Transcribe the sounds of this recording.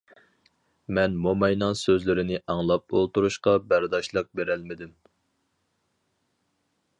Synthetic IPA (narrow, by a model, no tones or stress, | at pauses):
mɛnmomɑjnɑŋsøzlɪɾɪnɪʔɑŋlˠɑp̚olˠt̪uɾuʃqɑbæɾd̪ɑʃlˠəq̚beɾɛlmɪd̪ym